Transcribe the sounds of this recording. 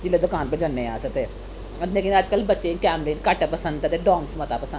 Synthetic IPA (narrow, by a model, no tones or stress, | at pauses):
d͡ʒɪlːed̪ʊkaːnpẽd͡ʒənːẽaːsət̪eː | leːkɪ̃nəd͡ʒkəlbətːʃekɛːmɾeːnkaʈepəsə̃nd̪ɛt̪eɖɔ̃ːmsmət̪aːpəsənd̪